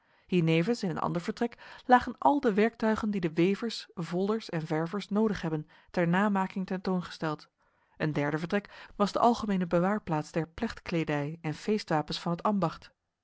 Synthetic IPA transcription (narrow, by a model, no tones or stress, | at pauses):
hiːɹnejvənsɪnənʔɑ̰ndəɹvəɹtrɛklaːχənʔɑlˠdəʋɛɹk̚tœɥχəndidəʋejvəɹsvɔlˠdəɹsɛnvɛɹvəɹsnowdəχɦɛbən | tɛɹnaːmaːkɪŋtɛntownχə̥stɛlˠt | ʔəndɛɹdəvəɹtrɛkʋɑzdəʔɑlˠχəmejnəbəʋaːɹplaːtsd̥ɛɹplɛχtkledɛjɛnfejstʋaːpənsfɑnɦətɑmbɑχt